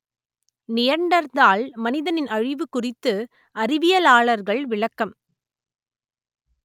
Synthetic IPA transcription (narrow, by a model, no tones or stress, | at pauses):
nɪjɐɳɖɐɾd̪aːlmɐnɪðɐnɪnɐɻɪʋɯkʊrɪt̪ːɯ | ɐɾɪʋɪjɐlaːɭɐɾɣɐɭʋɪɭɐkːɐm